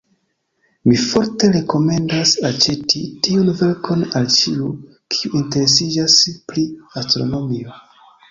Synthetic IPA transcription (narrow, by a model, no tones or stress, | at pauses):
mifo̞ɾte̞ɾe̞ko̞me̞ndasat͡ʃe̞titiunve̞ɾkʰo̞nalt͡ʃiu | kʰi̥uʔinte̞ɾe̞sid͡ʒaspɾiastɾo̞̰no̞mio